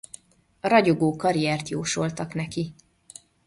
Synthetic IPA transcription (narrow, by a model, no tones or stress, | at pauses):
ɒɾɒɟoɡoːkɒɾijɛrt̪joːʃo̞lt̪ɒknɛki